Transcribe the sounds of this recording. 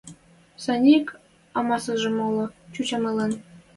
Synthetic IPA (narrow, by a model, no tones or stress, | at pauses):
sɑnʲik | ɑmɑsɤ̆ʐɤ̆molˠɤ̆t͡ɕut͡ɕɑmɤ̆lɤ̆n